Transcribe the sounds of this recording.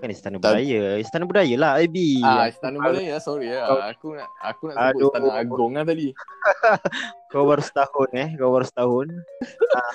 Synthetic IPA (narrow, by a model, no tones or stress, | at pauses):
kanist̪anəbajəist̪anəbudajəlaɦabiaist̪anabajəlasɔɾiaaːkunaʔakunaʔaduanaɡʊŋaht̪̬adi | kawbaɾust̪aɦʊnɛkawbaɾust̪aɦʊna